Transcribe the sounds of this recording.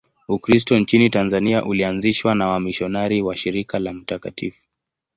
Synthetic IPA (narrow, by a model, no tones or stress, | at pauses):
ukɾis̬tɔnt͡ʃinitanzaniaʔulianziʃwanawamiʃɔnaɾiwaʃiɾikalam̩takatifu̥